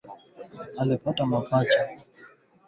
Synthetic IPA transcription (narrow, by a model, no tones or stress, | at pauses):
alipatamapat͡ʃa